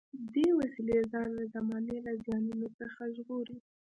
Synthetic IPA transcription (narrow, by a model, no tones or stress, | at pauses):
d̪ewasilezɑnlazamɑnelazjɑnunot͡səxaʒɣoɾi